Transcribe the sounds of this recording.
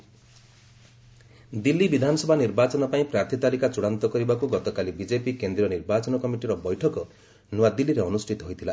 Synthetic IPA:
d̪ilːibid̪ʱanɔsɔbʱaniɾbat͡ʃɔnɔpaĩpɾaɾt̪ʰit̪aɾikat͡ʃuɽ̃ant̪ɔkɔɾibakuɡɔt̪ɔkalibid͡ʒepikend̪ɾiɔniɾbat͡ʃɔnɔkɔmiʈiɾɔbɔjʈʰɔkɔ | nɔwad̪ilːiɾeɔnusʈʰit̪ɔɦojt̪ʰila

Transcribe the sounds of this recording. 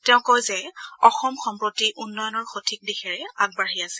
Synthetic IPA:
tɛʊ̃kojzɛɔxɔmxɔmpɹotiʔunːɔjɔnɔɹxotʰik̚dixɛɹɛaɡ̚baɹiasɛ̥

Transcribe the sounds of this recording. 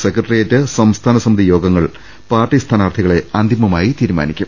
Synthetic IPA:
sekrɐʈrijɐtːɨsɐmst̪ʰaːnɐsɐmid̪ijo̞ːɡɐŋːɐɭ | paːrʈist̪ʰaːnaːrt̪ʰiɣɐɭe̞ɐnd̪ʱimɐmaːjit̪iːɾuma̰ːnikʲːum

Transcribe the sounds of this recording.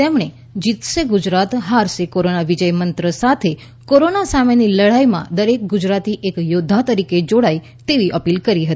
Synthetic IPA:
t̪emɳ̃e | d͡ʒit̪ʃeɡud͡ʒɾat̪ɦaɾʃekoɾonaʋid͡ʒəjmənt̪ɾəsat̪ʰe | koɾonasameniləɽajmã̰d̪əɾek̚ɡud͡ʒɾat̪iʔekjod̪ʱːat̪əɾiked͡ʒoɽai | t̪eʋiʔəpilkəɾiɦət̪ii

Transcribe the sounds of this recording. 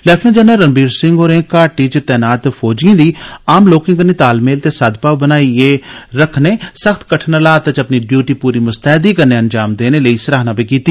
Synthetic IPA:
lɛːpʰnẽːd͡ʒɛːnaːɾəmbiːɾsɪ̃ŋɡɦoːɾẽːkaːʈiːt͡ʃt̪ɛːnaːt̪pʰoːd͡ʒiãːd̪iːaːmloːkɪ̃ŋkəɾneːt̪aːlmeːlt̪eːsəd̪paːʋbənaːieːɾəkʰneːsəxʰt̪ʰkəʈʰnəlaːt̪ət͡ʃəpniːɖjuːʈiːpuːɾiːmʊst̪ɛːd̪iːkəɾneːənd͡ʒaːmd̪eːneːləiːsəɾaːɦnãːpiːkiːt̪iː

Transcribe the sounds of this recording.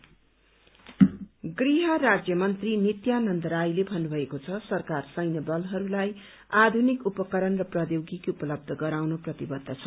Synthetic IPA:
ɡriɦʌrad͡zjʌmʌnt̪rinit̪janʌnt̪ʌɾajlebʱʌnːubʱʌekot͡sʰʌsʌrkarsʌjnʌbʌlɦʌɾulaj | ad̪ʱunikupʌkʌɾʌnrʌprʌd̪jowɡikupʌlʌb̚d̪ʱʌɡʌɾawnoprʌt̪ibʌd̪ʱːʌt͡sʰʌ

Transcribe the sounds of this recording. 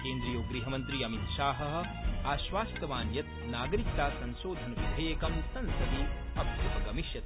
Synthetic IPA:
keːnd̪ɾijoːɡɾiːɦɐmɐnt̪ɾiɐmit̪ʃaːɦɐɦɐ̆ | aːʃʋaːst̪ɐʋaːnjɐt̪ | naːɡɐɾik̚t̪aːsɐ̃nʃoːd̪ʱɐnput̪ʰeeːkɐmsɐ̃nsɐd̪iɐb̪ɐpɐkɐmiʃjɐt̪

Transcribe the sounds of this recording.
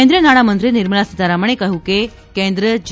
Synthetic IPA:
nd̪ɾijənaɽ̃amənt̪ɾiniɾməɭasit̪aɾaməɳ̃ekəɦuke | kẽnd̪ɾəd͡ʑ

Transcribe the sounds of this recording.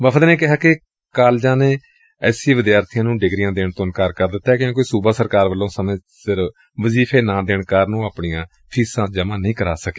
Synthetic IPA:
ʋəpʰəd̪nẽːkɪɦaːkɪ | kaːld͡ʒãːneː | ɛːsĩːʋɪd̪jaːɾt̪ʰijãːnũːɖɪɡɾijãːd̪eːɳt̪onkəɾkəɾd̪ɪt̪ːaɛkjõkoiːsuːbaːsəɾkaːɾʋəlːõːsəmẽː | sɪɾ | ʋəziːpʰeːnãːd̪eːɳkaːɾnũːəːpɳijãː | pʰiːsãːd͡ʒəmãːnəĩːkəɾaːsəke̥

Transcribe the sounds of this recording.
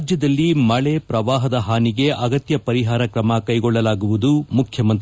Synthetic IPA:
d͡ʒjɐd̪ɐlːimɐɭepɾɐʋaːɦɐd̪ɐɦaːniɡe̞ʔɐɡɐt̪jɐpɐɾiɦaːɾɐkɾɐmɐkɐjɡɔɭːɐlaːɡuʋud̪umukʰjɐmɐnt̪

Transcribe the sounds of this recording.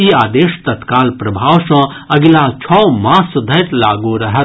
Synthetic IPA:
iːaːd̪eːʃt̪ɐt̪kaːlpɾɐbʱaːʋsɐ̃ | ɐɡɪlat͡ʃʰɔːmãːsʊd̪ʱɐjʈ̪laːɡuɾɐɦə

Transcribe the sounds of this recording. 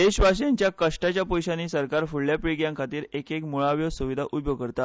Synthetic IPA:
d̪eɕʋaɕjaɲt͡ɕjakəʂʈat͡ɕjapɔjɕaniːsəɾkaɾfuɽljapiɡjãŋkʰat̪iːɾekekmuɭaʋjosuʋid̪ʱaʔud̪joɡkəɾt̪a

